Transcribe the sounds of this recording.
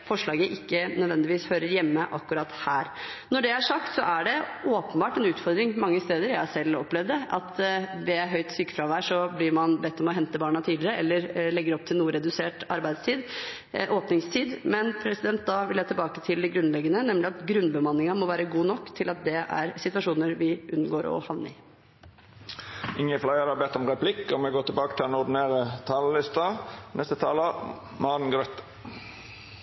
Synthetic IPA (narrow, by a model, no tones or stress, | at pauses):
fɔʂɭɑːɡəʔɪkːənœd̪ʋɛnd̪ɪʋiːshøːɾəɾjɛmːəʔɑkːʉɾɑːt̪hæːɾ | nɔɖɛæʂɑkt̪sɔ̰ʔæɖɛoːpənbɑːʈɛnʉːt̪fɔɾd̪ɾɪŋmɑŋːəst̪eːd̪əɾjæsɛlːɔ̰plɛʋd̪ɛʔɑt̪d̪ɛæɦœʏt̪syːkːfɾɑʋæːʂɔblɪɾmɑnbɛt̪ːɔmɔɦɛnt̪əbɑːɳɑt̪ʰiːd̪lɪɾəɛlːəɾɭɛɡːəɾɛɔp̚t̪ʰɪlnuːɾɛd̪ʉseːʈɑɾbæɪd̪st̪ʰiːd̪ | ʔoːpnɪŋst̪ʰiːd̪mɛnpʰɾɛsɪd̪ɛnt̪̚d̪ɑʋɪljæɑt̪ʰɪlbɑːkət̪ʰɪld̪ɛɡɾʉnlɛɡːənənɛmlɪɑt̪ɡɾʉnbəmɑnːɪŋɑmɔʋæːɾəɡuːnɔkːt̪ʰɪlɑt̪̚d̪ɛʔæ̰ɾsɪt̪ʋɑʂuːnəɾʋɪʔʉnɡoːɾɔ̰hɑʋnə̰ɪ | ɪŋːəflɑɪəɾɑbɛt̪ːɔmʁɛpʰlɪkːɔmɛɡoːt̪ʰɪbɑːkət̪ʰɪlɛnɔd̪ɪn̩eːʁət̪ʰɑːllɪst̪ɑnɛst̪ət̪ʰɑːlə | mɑːnn̩ɡɾœt̪